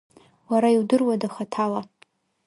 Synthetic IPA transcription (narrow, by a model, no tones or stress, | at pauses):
waɾaiwdɨrwadaχatʰala